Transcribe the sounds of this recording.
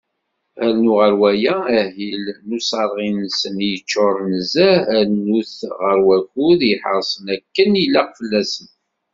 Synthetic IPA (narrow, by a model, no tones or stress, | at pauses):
ælnuʁəɾwæjææɦilnusɑɾˤʁinsənjət͡ʃːʊɾˤnəzææɾnuθʁəɾwækuðjəħəɾˤsˤənækːənilːæqfəlːæsən